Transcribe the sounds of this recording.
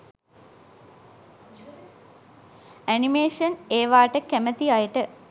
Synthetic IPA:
ænimeːʂəneːʋaːʈəkæmət̪iajəʈə

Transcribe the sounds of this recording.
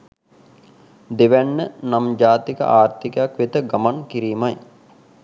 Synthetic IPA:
d̪eʋænːənamd͡ʒaːt̪ikə̰ʔaːrt̪ikəjakʋet̪əɡamaŋkiɾiːmaj

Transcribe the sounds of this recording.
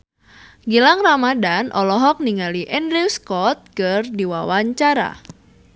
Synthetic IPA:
ɡilaŋramadanʔɔlɔɦɔk̚niŋaliʔɛndɾiwskɔt̪̚kɨrdiwawaɲt͡ʃaɾa̰

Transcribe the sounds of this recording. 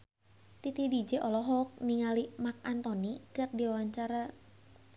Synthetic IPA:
t̪it̪idid͡ʒeʔɔlɔɦɔk̚niŋalimak̚ant̪ɔnit͡ʃər̚diwawaɲt͡ʃaɾa

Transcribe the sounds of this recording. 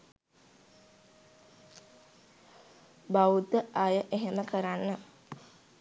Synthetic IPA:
baud̪əʔajəʔeɦeməkəɾanːə

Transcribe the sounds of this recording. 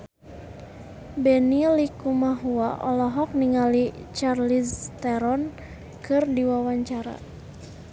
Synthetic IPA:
bɛnilikumaɦuaʔɔlɔɦɔk̚niŋali | t͡ʃarlist̪ɛɾɔn | kɨrdiwawaɲt͡ʃaɾa̰

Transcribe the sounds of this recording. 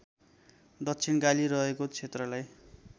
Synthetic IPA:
d̪ʌkt͡sʰinɡaliɾʌɦekot͡sʰet̪rʌlaj

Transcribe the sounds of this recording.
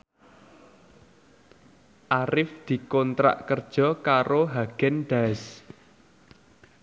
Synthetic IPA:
ʔaɾɪfd̪̥i̤kɔnt̪ɾa̰ʔkərd̥ʒ̥ɔ̤kaɾoɦaɡ̥ɛnɖ̥as

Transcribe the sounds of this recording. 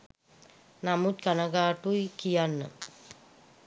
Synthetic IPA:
namut̪̚kanaɡaːʈuikijanːə̰

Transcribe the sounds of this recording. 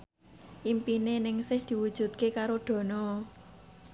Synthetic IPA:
ʔimpinenɪŋsɪhd̪̥i̤wud̥ʒ̥ṳt̪̚kekaɾoɖ̪̥ɔ̤nɔ

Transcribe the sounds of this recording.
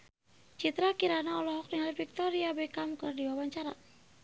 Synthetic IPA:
t͡ʃit̪ɾakiɾanaɔlɔɦɔk̚niŋalifik̚t̪ɔɾiabɛkamkɨrdiwawaɲt͡ʃaɾa

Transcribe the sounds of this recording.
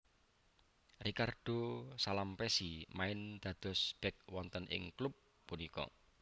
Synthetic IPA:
rikard̪̥o̤salampɛsimaɪnd̪̥ä̤d̪̥ɔ̤sb̥ɛk̚wɔnt̪ənʔɪ̰ŋklʊpː | unikɔ̰

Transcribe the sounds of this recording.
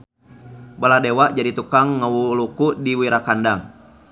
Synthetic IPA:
baladewaʔd͡ʒadit̪ukaŋːəwulukudiwiɾakandaŋ

